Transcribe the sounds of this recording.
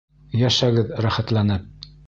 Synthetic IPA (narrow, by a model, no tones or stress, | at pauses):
jæʃæɡɘðɾæχæt̪lˠænɘp̚